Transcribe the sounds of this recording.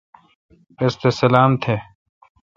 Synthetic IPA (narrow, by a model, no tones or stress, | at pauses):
est̪esɐlaːmt̪ʰe